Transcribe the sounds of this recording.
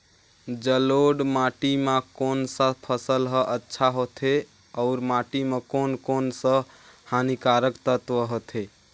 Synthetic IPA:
d͡ʒəloɖmaʈiməkonsə̃pʰəsəlɦəʔətːʃʰaɦot̪ʰe | ɔʊɾmaʈimekonkonsə̃ | hanikaɾəkt̪ət̪ʋəɦot̪ʰe

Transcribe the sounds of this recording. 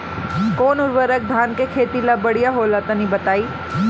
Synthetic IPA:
koːnʊɾʋəɾək̚d̪ʱaːnkekʰeːt̪ilabəɽijaɦoːlat̪anĩbɐt̪aːiː

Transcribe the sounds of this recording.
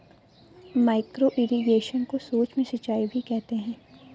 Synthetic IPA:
maːɪkɾoʔɪɾiɡeːʃənkosoːt͡ʃmẽsɐt͡ʃːaːibʱikɛɦt̪eɦɛ̃ː

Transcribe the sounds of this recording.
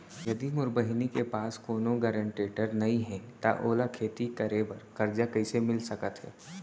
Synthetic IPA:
jɐd̪imʊɾbəɦɪnikepaːskoːnoɡəɾə̃ɳʈeːʈəɾnɐɦĩɦɛ̃t̪a̰ʔoːlakʰeːt̪ikɐɾebɐɾkɐɾd͡ʒakɐɪsemɪlsɐkət̪ɦɛ̰ː

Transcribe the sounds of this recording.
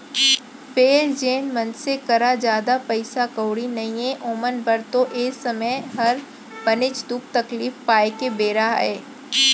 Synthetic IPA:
feːɾd͡ʒeːnmɐ̃nsekɐɾad͡ʒaːd̪apɐɪsakəʊɽinɐɦĩẽʔoːmənbɐɾt̪oʔeːsɐməjɦɐɾ | bɐnɪt͡ʃd̪uːk̚t̪ɐkliːfpaːekebeːɾaɦɛː

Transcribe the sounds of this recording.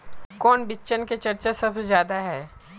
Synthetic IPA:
kɔːnbɪt͡ʃənket͡ʃɐɾt͡ʃasɐbzjaːd̪aɦɛː

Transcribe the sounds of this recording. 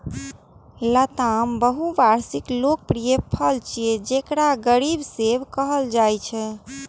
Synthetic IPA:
lət̪ambəɦubaɾsiklok̚pɾijəpʰəlt͡ʃied͡ʒekɾaɡəɾibsebkəɦəld͡ʒajt͡ʃʰɛ

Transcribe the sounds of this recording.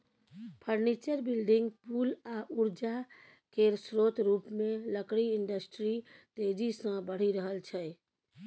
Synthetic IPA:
pʰəɾnit͡ʃəɾbilɖɪŋɡpulaʔuɾd͡ʒa | keɾsɾot̪ɾupmẽləkɽiɪɳɖəsʈɾit̪ed͡ʒisə̃bəɽ̤iɾəɦəlt͡ʃʰɛ

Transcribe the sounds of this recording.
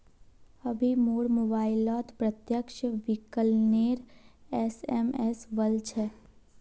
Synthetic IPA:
ɐbʱimoːɾmobaːɪlaːt̪pɾət̪jəkʃʋɪkəlneːɾɛsɛːmɛsʋəlt͡ʃʰɛː

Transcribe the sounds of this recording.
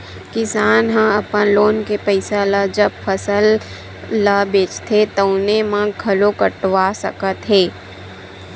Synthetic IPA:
kɪsaːnɦãɐpənloːnkepəɪsaləd͡ʒəb̚pʰəsəlː | əbeːt͡ʃt̪ʰet̪əʊnemãɡʱɐlokəʈʋasə̰kət̪ɦeː

